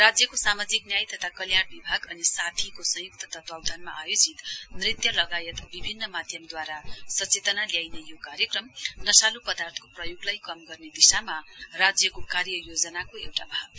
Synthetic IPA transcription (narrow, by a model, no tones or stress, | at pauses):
rad͡zjʌkosamad͡ziknjajt̪ʌt̪ʰakʌljaɽbibʱaɡʌnisat̪ʰikosʌ̃juk̚t̪ʰʌt̪ʰʌt̪wawd̪ʱanmaʔajod͡zit̪nrit̪jʌlʌɡajʌt̪bibʱinːʌmad̪ʱjʌmd̪waɾasʌt͡set̪ʌnaljajnejokaɾjʌkrʌmnʌsalupʌd̪art̪ʰʌ̥koprʌjoɡlajkʌmɡʌrned̪isamarad͡zjʌkokarjʌjod͡zʌnakoewʈabʱaɡ